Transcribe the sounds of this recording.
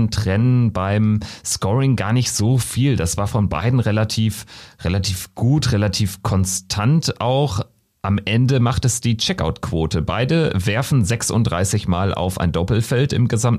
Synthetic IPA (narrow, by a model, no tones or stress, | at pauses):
ntʁ̥ɛnənbaɪmskɔʁɪŋɡaːɐnɪçtz̥oːfiːldasv̥aːɐfɔnba̰ɪdn̩ʁelatʰiːfʁelatʰiːfɡ̥uːtʁelatʰiːfkʰɔnstʰantʔaʊx | ʔamʔɛndəmaχtɛsd̥iːt͡ʃɛka̰ʊtkʰv̥oːtʰəbaɪdəvɛɐfn̩zɛksʊ̰ntd̥ʁaɪsɪçmaːlʔa̰ʊfʔa̰ɪndɔpl̩fɛltɪ̰mɡəzamt